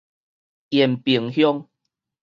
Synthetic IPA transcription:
jɛ˨˩mpi˨˩ŋhjɔ˦ŋ

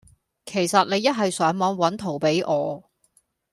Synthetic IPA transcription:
kʰe˨˩jsɐ˨t̚ne˨˧jɐ˥t̚ɦɐ˨jsœː˨˥ŋmɔ˨˧nwɐ˨˥nt̪ʰo˨˩wpe˨˥jʔɔː˨˧

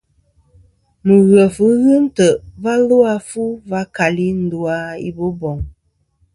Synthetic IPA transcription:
mə˨ɣə˨fə˨˦ɣɨ˦n˦tə˨ʔva˦lo˦a˦fu˦va˦ka˨li˦n̩˦du˨a˦ḭ˦bo˦bɔ˨ŋ

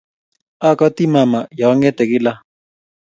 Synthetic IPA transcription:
a˦kɔ˦t̪i˦ma˨ma˨ja˨˦ŋɛ˦t̪ɛ˨ki˦la˦

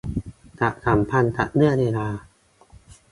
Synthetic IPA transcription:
t̪a˨˩ʔkʰa˩˦mpʰa˧nt̪a̰˨˩ʔ̚nɯ˥˩əneː˧laː˧

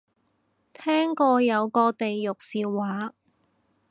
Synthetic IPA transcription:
t̪ʰɛː˥ŋkɔː˧jɐ˨˧wkɔː˧t̪e˨jːʊ˨k̚siː˨wːaː˨˥

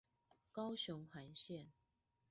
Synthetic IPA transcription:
kɑ˥ʊɕʊ˧˥ŋxa˨˧˥nɕjɛ˥˨n

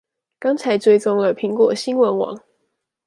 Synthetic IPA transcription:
kɑ˥ŋt͡sʰa˨˧˥ɪt͡swe˥ɪt͡sʊ˥ŋlə˨pʰi˨˥ŋkwɔ˨˩ɕi˦˥nwə˧˥nwɑ̰˨˦ŋ

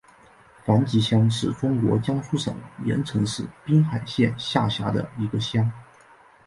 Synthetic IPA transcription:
fa˧˥nt͡ɕi˧˥ɕjɑ˥ŋʂɻ̩˥˩ʈ͡ʂʊ˥ŋkwɔ̰˧˥t͡ɕjɑ˥ŋsu˥ʂɤ̰˨˩˦ŋjɛ̰˧˥nʈ͡ʂʰɤ˧˥ŋʂɻ̩˥˩pi˥ŋxa˨˩ɪɕjɛ˥˧nɕja˥˩ɕja˧˥d̪ə̰˧i˧˥ɡə˧ɕjɑ˥ŋ

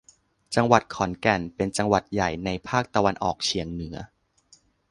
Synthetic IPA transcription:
t͡ɕa˧ŋwa˨˩t̪̚kʰɔ˩˦nkɛ˨˩npe˧nt͡ɕa˧ŋwa˨˩t̪̚ja˨˩jna˧jpʰaː˥˩k̚t̪a˧wa˧nʔɔ̰ː˨˩k̚t͡ɕʰi˨˩˦əŋnɯ˩˦ɐ

